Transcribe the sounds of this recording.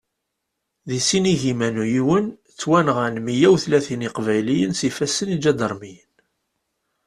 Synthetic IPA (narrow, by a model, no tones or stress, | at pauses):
ðisiniʝimænujiwən | t͡sːwænʁænmijæwθlæθiniqvæjlijənsifæsənid͡ʒæd̪əɾˤmijən